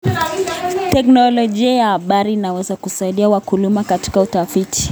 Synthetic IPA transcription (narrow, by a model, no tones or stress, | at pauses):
tɛknɔlɔʄiajahaɓaɾiːnawɛzakusaiɗiawakulumakati̥kautafitʰi̥